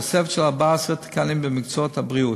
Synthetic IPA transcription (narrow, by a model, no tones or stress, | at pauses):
osefeʃelaʁbaesʁet̪i̥kanimbemikt͡soot̪habʁiu